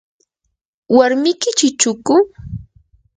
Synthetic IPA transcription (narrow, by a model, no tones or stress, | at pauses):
waɾmɪkɪt͡ʃɪt͡ʃʊkʊ